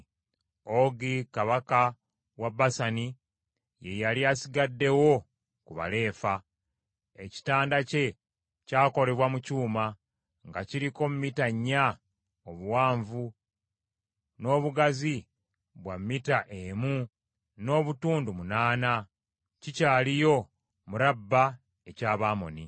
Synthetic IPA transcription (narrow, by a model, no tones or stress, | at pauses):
o̞ɡikaβaka | wabasani | je̞jaliasiɡadːe̞wo̞ | kuβa̰le̞ːfa | eci̥taːndace̞ | caːko̞le̞βwamucuːma | ŋɡaciɾiko̞mumitaɲːa | oβuwaːɱvu | no̞ːβuɡazi | βwamːitaʔemu | no̞ːβutuːndumunaːna | cicaːlijo̞ | muɾabːa | ecaːβaːmo̞̰ni